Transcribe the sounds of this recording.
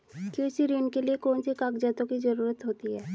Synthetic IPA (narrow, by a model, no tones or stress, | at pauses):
keːsiɾeːnkeliekɔːnsikaːkd͡ʒɛːt̪õkid͡ʒɐɾuːɾət̪ɦoːt̪iɦɛː